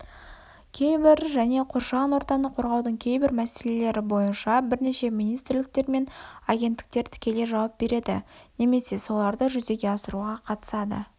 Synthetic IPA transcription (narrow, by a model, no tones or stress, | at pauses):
kʲʰe̞jbɪɾʒæne̞qʰoɾʃɑnwo̞ɾt̪ɑnəqʰo̞ɾʁɑwd̪əɴkʲʰe̞jbɪɾmæse̞le̞le̞ɾɪbo̞jənʃɑbɪɾne̞ʃe̞mijnijst̪rlɪk̚t̪e̞ɾme̞nɑɡʲe̞nt̪ːɪ̥k̚t̪e̞ɾt̪ʰɪ̥kʲe̞le̞ʒɑwɑp̚b̥e̞ɾe̞d̪ɪ̰ne̞me̞se̞so̞lˠɑɾd̪əʒʏze̞ɡʲe̞ɑsəɾuʁɑqʰɑt̪ə̥sɑd̪ə̰